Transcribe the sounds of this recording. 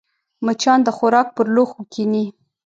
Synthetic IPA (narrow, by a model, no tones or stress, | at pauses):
mət͡ʃɑnd̪əxʊɾɑk̚pəɾloxukʰini